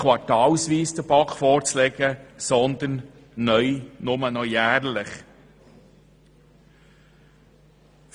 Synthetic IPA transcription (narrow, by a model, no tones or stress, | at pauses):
ʋɑɾtɑːlsʋiːsd̪əb̥ɑkfɔɾt͡slɛɡəsɔnd̪ənː | œʏnʊmənɔjæːɾləχ | f